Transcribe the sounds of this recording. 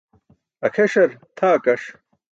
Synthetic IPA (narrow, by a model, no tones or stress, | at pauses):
ɐkʰeʂɐɾt̪ʰaːkɐʂ